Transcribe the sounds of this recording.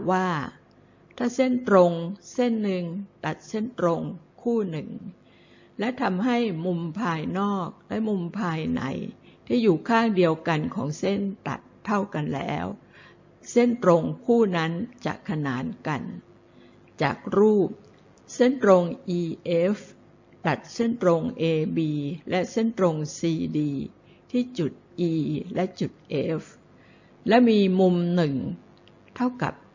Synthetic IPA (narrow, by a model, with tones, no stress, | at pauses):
waː˥˩ | t̪ʰaː˥˩se˥˩nt̪ɾo˧ŋse˥˩nːɯ˧ŋt̪a˨˩t̪̚se˥˩nt̪ɾo˧ŋkʰuː˥˩nɯ˨˩ŋ | lɛ˦˥t̪ʰa˧mɦa˥˩jmu˧mpʰaː˧jnɔː˥˩k̚lɛ˦˥mu˧mpʰaː˧jna̰˩˦jt̪ʰiː˥˩juː˨˩kʰaː˥˩ŋdi˧əwka˧nkʰɔː˩˦ŋse˥˩nt̪a̰˨˩t̪ʰːa˥˩wka˧nlɛ̰ː˦˥w | se˥˩nt̪ɾo˧ŋkʰuː˥˩na˦˥nt͡ɕa̰˨˩kʰːa˧naː˩˦nka˧n | t͡ɕa̰ː˨˩k̚ɾuː˥˩p̚ | se˥˩nt̪ɾo˧ŋʔiː˧ʔe˦˥f | t̪a˨˩t̪̚se˥˩nt̪ɾo˧ŋʔeː˧biː˧lɛ˦˥se˥˩nt̪ɾo˧ŋsiː˧diː˧ | t̪ʰiː˥˩t͡ɕu˨˩t̪̚ʔiː˧lɛ˦˥ʔt͡ɕu˨˩t̪̚ʔe˦˥f | lɛ˦˥miː˧mu˧mnɯ˨˩ŋ | t̪ʰa˥˩wka̰˨˩p̚